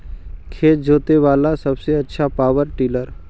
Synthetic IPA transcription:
kʰeːt̪̚d͡ʒoːt̪eʋaːlasɐbseɐtːʃʰapaːʋəɾʈiːləɾ

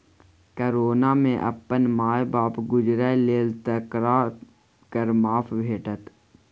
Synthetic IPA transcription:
kəɾoːnaːmḛ̃ʔɐ̰pːənmaːjbaːpɡʊd͡ʒɾɛleːlt̪əkɾa | kəɾmaːpʰbʱeːʈət̪

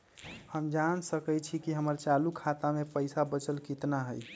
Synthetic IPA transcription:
həmd͡ʒansəkət͡ʃʰikiɦəməɾt͡ʃalukʰat̪amepəjsabət͡ʃəlkit̪naɦəj

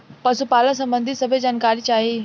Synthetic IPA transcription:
pɐsupaːlə̃s̬ɐ̃mbə̃nd̪ʱisɐbʱed͡ʑaːnkaːɾit͡ɕaːɦe

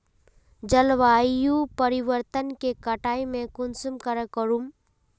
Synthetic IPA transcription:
d͡ʒəlʋaːjupəɾiʋəɾt̪ənkekɐʈaːimẽkʊnsumkəɾəkəɾum

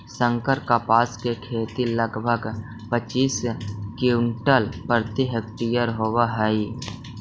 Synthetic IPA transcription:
sə̃ŋkəɾkapaːskekʰeːt̪iləɡbʱəɡ | pət͡ʃiːskiʊɳʈəlpɾət̪iɦəkt̪ijəɾɦowaɦɛi

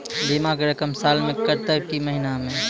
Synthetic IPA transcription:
bimakeɾəkəmsaːlmẽkəɾt̪əb̚kiməɦinamẽ

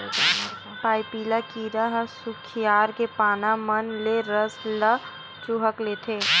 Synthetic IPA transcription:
paːipiːlakiːɾəɦsʊkʰijaːɾkepaːnamənleɾəslə | t͡ʃuɦəkleːt̪ʰeː

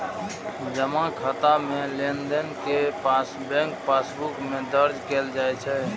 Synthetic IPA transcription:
d͡ʒəmãkʰət̪amelend̪ənkepasbɛ̃ŋk̚pasbukmed̪əɾd͡ʒkeld͡ʒajt͡ʃʰɛ

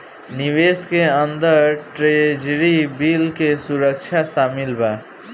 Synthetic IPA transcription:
niweskeənd̪əɾʈɾed͡ʒɾibilkesuɾəkt͡ʃʰasaːmɪlba

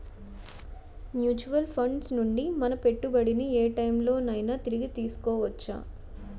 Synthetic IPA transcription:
mjuːt͡ʃuʋɐlpʰɐɳɖsnuɳɖimɐnɐpe̞ʈːubɐɽinieːʈɐjmlo̞ːnɐjnɐt̪iɾiɡit̪iːsu̥kɔːʋɐt͡ʃːa̰ː

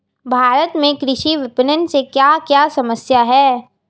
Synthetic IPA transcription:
bʱaːɾət̪mẽkɾɪʃiʋɪpənənsekjakjasɐməsjaɦɛː

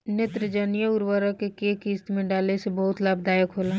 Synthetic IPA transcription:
net̪ɾəd͡ʒənijəʊɾwəɾəkekeːkiːst̪mẽɖaːlesebəɦʊt̪laːb̚d̪aːjəkɦoːlã

